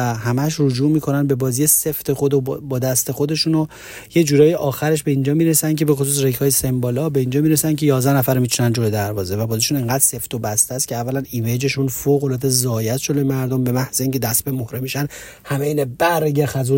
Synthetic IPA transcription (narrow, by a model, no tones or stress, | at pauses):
æhæmæʃ̬rod͡ʒuːmiːkʰo̞nænbe̞bɒːzijese̞ft̪ʰe̞xod̪obɒːd̪æst̪e̞xod̪e̞ʃuno | jed͡ʒuːɾɒːjeʔɒːxæɾe̞ʃbe̞ind͡ʒɒːmiɾesæn̚cʰe̞be̞xo̞s̬uːs̬rekʰhɒːjese̞mbɒːlɒbe̞ind͡ʒɒːmiɾesænkcʰe̞jɒːzd̪æhnæfæɾmiːt͡ʃʰunænd͡ʒoɾed̪æɾvɒːze̞væbɒːziʃuneŋɡæːd̪̥se̞ft̪obæst̪eæst̪cʲʰeævːælænimed͡ʒe̞ʃunfoɣolɒːt̪ezɒːjæt̪ʃod̪emæɾd̪ombe̞mæhz̥eiŋcʰe̞d̪æst̪bemohɾemiʃæn | hæmeinɛbæɾeɟeɾxæzu